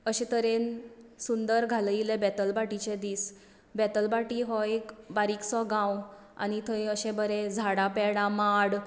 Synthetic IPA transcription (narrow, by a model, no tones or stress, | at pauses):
əɕẽt̪əɾensund̪əɾɡʱalilebɛt̪əlbaʈit͡ɕed̪iːs | bɛt̪əlbaʈiɦɔekbaɾiksɔɡãw | a̰nit̪ʰəjəɕẽbəɾed͡zʱaɽapɛɽãmaɽ